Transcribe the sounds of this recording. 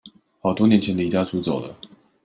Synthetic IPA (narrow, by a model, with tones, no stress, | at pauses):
xɑ˨˩ʊt̪wɔ˥njɛ˧˥nt͡ɕʰɛ˧˥nd̪ə˧i˧˩t͡ɕja˥˩t͡su˧˥t͡so˨˩ʊlə̰˦